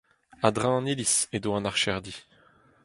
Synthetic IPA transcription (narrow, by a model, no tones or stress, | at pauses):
ad̪ʁãɑ̃nilisedoɑ̃naʁʃɛʁd̪i